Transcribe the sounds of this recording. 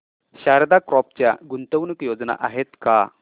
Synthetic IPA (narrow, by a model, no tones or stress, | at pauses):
ɕaɾd̪akɾɔp̚t͡ɕja̰ɡunt̪əʋnəkjod͡zna̰ʔaɦet̪ka